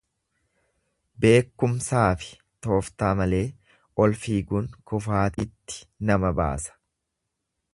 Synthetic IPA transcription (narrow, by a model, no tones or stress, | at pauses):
be̞ːkːʊmsaːfɪ̥ | t̪o̞ːft̪aːmɐle̞ː | ʔɔlfiːɡʊnkʊfaːt̪ɪt̪ːɪ̥nɐmɐba̰ːsɐ̥